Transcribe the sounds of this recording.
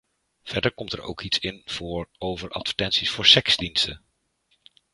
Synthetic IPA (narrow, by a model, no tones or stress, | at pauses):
v̥ɛɹdəɹkɔmtɛɹo̰wkitsɪnv̥ʊːɹowvəɹʔɑ̰tvə̥tɛnsisfʊːɹsɛkz̥dinstə